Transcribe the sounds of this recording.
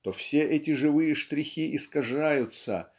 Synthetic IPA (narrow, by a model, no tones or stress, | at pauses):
t̪ofsʲe̞ʔɛtʲɪʐɨvɨjəʂt̪ɾʲɪxʲiʔɪskɐʐajʊt̪sə̰